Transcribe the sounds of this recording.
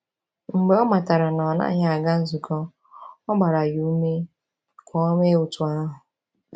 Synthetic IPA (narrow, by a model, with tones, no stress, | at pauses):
ŋ͡m̩˨ɡ͡be˨˦ɔ˦ma˨ta˨ɾa˨nɔ˨na̰˦ɲa˨a˨ɡa˦n̩˦zu˨kʰɔ˦ | ɔ˦ɡ͡ba˨ɾa˨ju˦u˦me˦ | kʷʰɔ˦me˦ʊ˨tʊ˨a˦ɦʊ˨